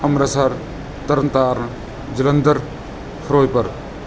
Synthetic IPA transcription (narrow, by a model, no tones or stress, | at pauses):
ɐmɾɐsaɾ | t̪ɐɾənt̪aːɾn | d͡ʒɪlɐnd̪əɾ | pʰɾoːjpɐɾ